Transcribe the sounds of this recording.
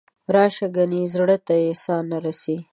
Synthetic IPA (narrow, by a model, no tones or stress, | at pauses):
ɾɑʃaɡanizɽət̪ajesɑnːaɾasi